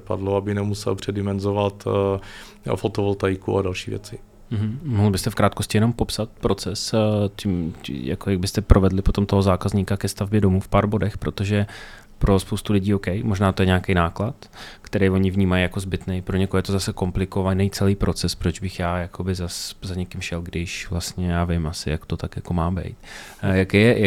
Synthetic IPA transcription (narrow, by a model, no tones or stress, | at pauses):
pa̰dloabɪnɛmusɛ̰lpr̝̥ɛdɪmɛnzovat̪ | fot̪ovolt̪ajkua̰dalʃiːvjɛ̰t͡sɪ | m̩ɦm̩moɦl̩bɪst̪ɛfkɾaːt̪ko̞scɪjɛno̞mpo̞psat̪̚pɾo̞t͡sɛscɪmɪ̰ja̰kojaɡ̚bɪst̪ɛpɾʔo̞vɛdlɪpo̞t̪o̞mt̪o̞ɦozaːkazɲiːkakɛst̪avbjɛdo̞muːfpaːɾbo̞dɛxpɾo̞t̪o̞ʒɛ | pɾo̞spo̞wst̪ulɪɟiːokɛjmo̞ʒnaːt̪o̞jɛɲɛakejnaːklat̪kt̪ɛɾejvo̞ɲɪvɲiːmajːako̞zbɪt̪nɛjpɾoɲɛkoɦojɛt̪o̞zasɛko̞mplɪko̞vanɛjt͡sɛliːpɾo̞t͡sɛspɾo̞d͡ʒbɪxjaːjakʰobɪzaszaɲɛkɪmʃɛlɡdɪʃvlast̪ɲɛjaːvɪmʔasɪ̰jakt̪o̞t̪akjako̞maːbɛ̰jt̪jakejɛja